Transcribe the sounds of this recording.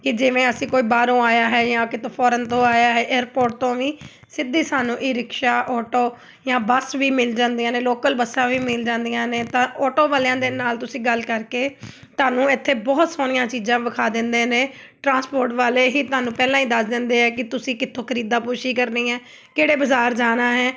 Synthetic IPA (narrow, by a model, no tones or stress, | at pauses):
kɪd͡ʒɪʋẽːəsĩːkoːiːbaːɾõːaːjaːɦɛːjãːkɪt̪ʰːõːpʰɔːɾənt̪õːaːjaːɦɛːʔɛːɾpoːɾʈ̚t̪õːʋiː | sɪd̪iːsaːnũːʔiːɾɪkʃaːʔɔːʈoː | jãːbəsʋiːmɪld͡ʒãːnd̪ijãːneːloːkəlbəsãːʋiːmɪld͡ʒãːnd̪ijãːneːt̪ãːʔɔːʈoːʋaːlːãːd̪eːnaːlt̪ʊsĩːɡəlkəɾkeː | t̪ʊaːnũːɪt̪ʰːeːbɔːt̪soːnɪjãːt͡ʃiːd͡ʒãːʋəkʰaːd̪ɪnd̪eːneː | ʈɾãːspoːɾʈʋaːleːɦiːt̪ʊaːnũːpɛːlãːĩːd̪əsd̪ɪ̃nd̪eːɦɛːkɪt̪ʊsĩːkɪt̪ʰːõːkʰəɾiːd̪aːpʊːʃiːkəɾnĩːɦɛː | keːɽeːbəzaːɾd͡ʒaːnaːɦɛː